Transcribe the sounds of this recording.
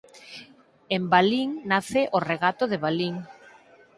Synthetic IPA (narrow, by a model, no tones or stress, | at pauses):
embaliŋnaθeʔoreɣat̪oðeβ̞aliŋ